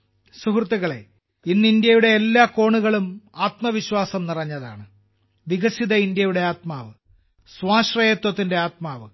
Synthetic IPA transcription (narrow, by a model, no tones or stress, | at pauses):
suhrt̪ːiɣɐɭe̞̰ | inːɨind̪jɐjuɽe̞ːlːaːko̞ːɳuɣɐɭumaːt̪mɐʋiɕwaːsɐmnirɐɲːɐða̰ːɳɨ | ʋiɣɐsiðɐind̪jɐjuɽe̞aːt̪̚maːʋɨ | swaːɕrɐjeːt̪wɐt̪ːinde̞aːt̪̚maːʋɨ